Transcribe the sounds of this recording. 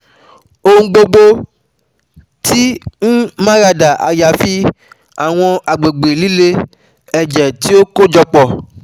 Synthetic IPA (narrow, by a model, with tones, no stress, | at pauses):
o˦ŋ̩̃˦ɡ͡bo˧ɡ͡bo˧ | tʰi˦ñ̩˦mã˦ɾa˧da˨ʔa̰˨ja˨fi˦ | a˨w̃ɔ̃˧a˨ɡ͡be˨ɡ͡be˨li˦le˦ | ɛ˨d͡ʒɛ˨ti˦o˦ko˦d͡ʒɔ˧k͡pɔ˨